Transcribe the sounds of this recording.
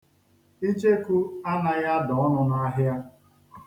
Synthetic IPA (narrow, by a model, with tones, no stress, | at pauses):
i˦d͡ʒe˦ku˦a˦na˨ja˦dɔ˨ɔ˦nʊ˦na˦ɦja˦